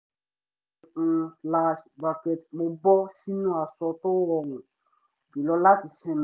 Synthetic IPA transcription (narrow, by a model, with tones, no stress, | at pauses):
sla˦ʃba˨ke˨tmo˨bɔ˦si˦nũ˦a˨sɔ˧to˦wɔ˨ŋʊ̃˨ | i˨lɔ˧la˦ti˨sɛ̃˨m